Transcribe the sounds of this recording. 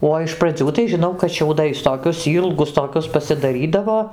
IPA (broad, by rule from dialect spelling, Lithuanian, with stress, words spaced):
ˈoː ɪʃ prɐˈd͡zʲuː tɐɪ ʒʲɪˈnɐʊ kɐt ʃʲɛʊˈdɐɪs toːˈkʲʊs ˈiːlˠɡʊs toːˈkʲʊs pɐsʲɪdɐˈrʲiːdɐʋoː